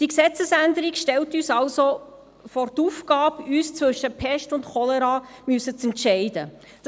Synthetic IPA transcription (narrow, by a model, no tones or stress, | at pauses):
d̥iksɛt͡səsændəɾikʃtɛltyːsɑlso | fɔːrtuːfkɑːpyːst͡svʏʃəpʰɛʃtʊntχɔlɛɾɑːmysət͡sɛntʃɛɪd̥ə | d̥